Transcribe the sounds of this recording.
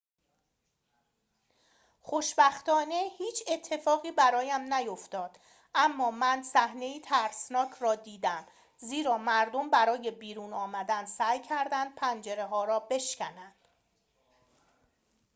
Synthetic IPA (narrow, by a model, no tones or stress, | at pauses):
χoʃbæxt̪ɒːne̞hiːt͡ʃʰe̞t̪ʰːe̞fɒːɣiːbæɾɒːjæmnæjoft̪ɒːd̪̥ | ʔæmːɒːmænsæhne̞iːt̪ʰæɾsnɒːcʰɾɒːd̪iːd̪æm | ziːɾɒːmæɾd̪o̞mbæɾɒːje̞biːɾuːnɒːmæd̪ænsæːjcʰæɾd̪ænd̪̥̚pʰænd͡ʒe̞ɾe̞ɦɒːɾɒːbe̞ʃcʰænænd̪̥